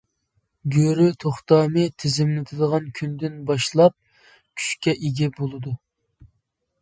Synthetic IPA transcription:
ɡʲøɾyt̪ʰoχt̪ɑːmɨt̪ʰɪzɪmlɪt̪ʰɨd̪əʁɑnkʲʰynd̪ɪnbɑʃlˠɑp̚ | kʲʰy̥ʃkʲɛʔeɡʲɛbolˠɨd̪u

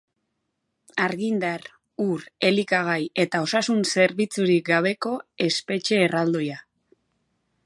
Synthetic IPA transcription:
aɾɣind̪ar | uɾe̞likaɣ̞aje̞t̪ao̞sasunse̞ɾβit͡suɾik̚ɡaβ̞e̞ko̞e̞spe̞t͡ʃe̞ːrald̪o̞ja

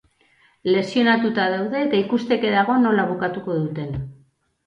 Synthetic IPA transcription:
le̞sio̞nat̪ut̪aðawðe̞ːt̪aikust̪e̞ke̞ðaɣ̞o̞no̞laβukat̪uko̞ðut̪e̞n

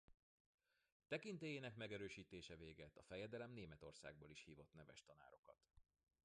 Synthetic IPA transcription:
t̪ɛkint̪ɛjeːnɛkmɛɡɛɾøːʃiːt̪eːʃɛveːɡɛt̪ɒfɛjɛd̪ɛlɛmneːmɛt̪o̞rsa̰ːɡ̚boːliʃhiːvo̞t̪nɛvɛʃt̪ɒna̰ːɾo̞kɒt̪

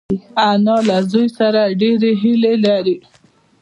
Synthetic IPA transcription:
anɑlazujsaɾaɖeɾeɦɪlelaɾi

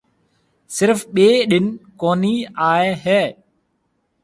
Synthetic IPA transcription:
sɪɾfɓeːɗɪnkoːniːaːeːɦɛː

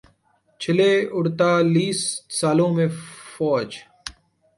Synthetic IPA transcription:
t͡ʃʰɪleːʊɽt̪aːliːssaːlõːmẽːfɔːd͡ʒ

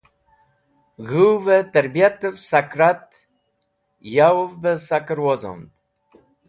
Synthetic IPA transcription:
ɣuwvɛt̪əɾbjat̪əvsakɾat̪ | jawovbəsakəɾwɔzɔ̰nd̪

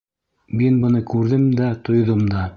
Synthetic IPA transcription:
minbɤ̆nɤkʉɾðɘmd̪æt̪ŏjðomd̪ɑ

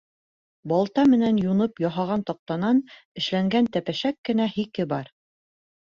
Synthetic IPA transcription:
bɒlˠt̪ɑmɘ̆nænjunɤpjɒɦɑʁɑnt̪ɒq̚t̪ɑnɑnɘ̆ʃlæŋɡænt̪æpæʃækːɘ̆næhikɘbɑɾ

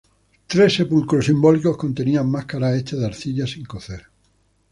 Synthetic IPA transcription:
t̪ɾe̞se̞pulkɾosimbo̞liko̞hko̞nt̪e̞niaŋːahkaɾae̞t͡ʃaðaɾθiʎasiŋko̞θeɾ

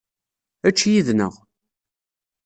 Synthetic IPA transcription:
æt͡ʃːjiðnə̰ʁ

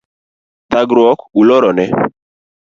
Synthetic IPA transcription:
t̪aɡɾwɔkulɔɾɔnɛ

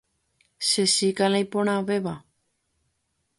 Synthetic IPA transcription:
sesikalajpoɽ̃ãʋeβa

